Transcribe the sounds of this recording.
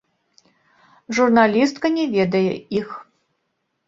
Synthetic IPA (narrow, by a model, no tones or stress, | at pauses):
ʐurnalʲist̪kɐnʲɛvʲɛd̪ɐjɛ̰ix